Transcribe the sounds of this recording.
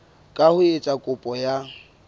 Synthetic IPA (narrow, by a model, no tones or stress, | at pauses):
kʼahʊet͡sʼakʼʊpʼɔja